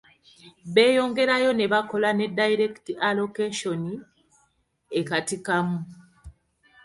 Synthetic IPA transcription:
βe̞ːjo̞ːŋɡe̞ɾajo̞neβako̞lane̞dːaiɾektiʔalo̞keʃo̞ni | ekatikamu

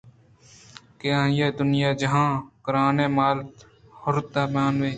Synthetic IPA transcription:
keãːjeːd̪ʊnɪjaːd͡ʒəɦãːkəɾaːneːmaːlt̪ | hʊɾt̪̚d̪aːmjaːnʋeː

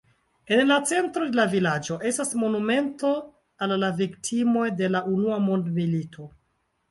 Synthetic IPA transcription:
e̞nlat͡se̞ntɾo̞de̞lavilad͡ʒo̞ʔe̞stasmo̞nume̞nto̞ | alːaviktʰimo̞jde̞laʔunuamo̞ndmilitʰo̞

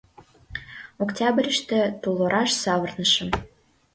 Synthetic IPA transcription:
oktʲɑbrʲəʃt̪ĕt̪ulˠoɾʔɑʃsɑβə̆rnəʃə̆m

